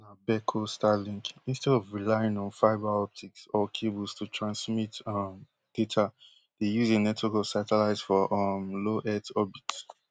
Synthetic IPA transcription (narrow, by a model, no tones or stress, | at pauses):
nabɛkʰostalĩŋkĩnstɛdɔvɹilaɪĩnɔ̃nfaɪbaɔp̚tʰiksɔkʰebəlˠstʰutʰɹãnsmitʌm | d̥etʰa | d̥ejuzenɛtʰokɔsatəlaɪzfɔʔʌmloʔɛtʰɔbits